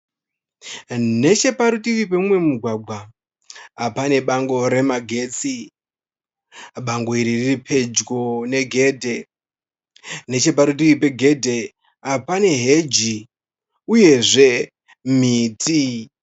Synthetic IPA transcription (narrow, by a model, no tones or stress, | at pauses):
ne̞t͡ʃe̞paɾutiwip̬emumwe̞muɡʱwaɡʱwaː | pane̞ɓaŋɡo̞ɾe̞maɡʱe̞ːt͡si | ɓaŋɡo̞iɾiriripʰe̞d͡ʒɡone̞ɡʱe̞ːdʱe̞ | ne̞t͡ʃe̞p̬aɾut̬iwipe̞ɡʱe̞dʱe̞ | apane̞ɦe̞d͡ʒi | uje̞ʐe̞ | m̤iːtʰi